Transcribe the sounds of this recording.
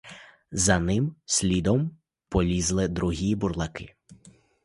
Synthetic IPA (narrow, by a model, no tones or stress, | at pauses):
zɐnɪmsʲlʲid̪ɔm | pɔlʲizlˠɪd̪ɾuɦʲiburlˠɐkɪ